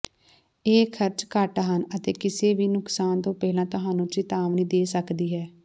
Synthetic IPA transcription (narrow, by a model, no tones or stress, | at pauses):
eːkʰəɾt͡ʃkəʈaɦənət̪ḛːkɪseːʋiːnʊksaːnt̪õːpɛːlãːt̪ʊɦãːnũːt͡ʃɪt̪aːʋnĩːd̪eːsəkd̪iːɦɛː